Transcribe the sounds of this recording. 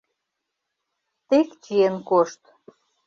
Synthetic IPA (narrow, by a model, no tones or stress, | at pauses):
t̪ekt͡ɕienkoʃt̪